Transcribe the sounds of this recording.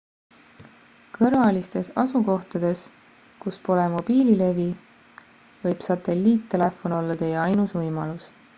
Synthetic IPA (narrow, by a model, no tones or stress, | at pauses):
kɤɾvɑlist̪e̞sɑ̰suko̞ht̪ɑd̪̥e̞s | kuspo̞lemo̞b̥iːlile̞vi | vɤ̞jb̥sɑt̪e̞lːiːt̪ːe̞le̞fo̞no̞lːɑt̪e̞jeɑjnusvɤjmɑlus